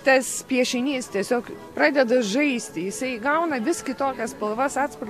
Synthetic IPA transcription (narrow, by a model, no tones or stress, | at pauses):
t̪ɐspʲiɛʃʲɪnʲiːst̪ʲiɛsʲoːkpɾɑːd̪ʲɛd̪ɐʒɐɪsʲt̪ʲɪjɪsɐɪɡɐʊnɐʋʲɪskʲɪt̪oːkʲɛspɐlˠʋɐsɑːt̪spɐr